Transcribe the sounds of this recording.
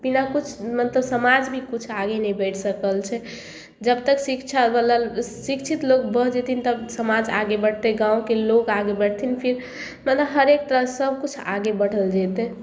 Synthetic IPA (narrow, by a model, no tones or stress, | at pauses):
b̥inakut͡ʃʰmət̪ləbsəmad͡ʒbʱikut͡ʃʰaɡenɛbɛʈʰsəkəlt͡ʃʰɛ | d͡ʒəbt̪əksikt͡ʃʰalasikt͡ʃʰit̪lok̚bəɦd͡ʒet̪ʰint̪əbsəmad͡ʒaɡebəɽ̤t̪eɡãwkelokaɡebəɽt̪ʰinpʰiɾ | mət̪ləbɦəɾek̚t̪əɾəsəb̚ʱkut͡ʃʰa̰ɡebəɽ̤əld͡ʒɛt̪e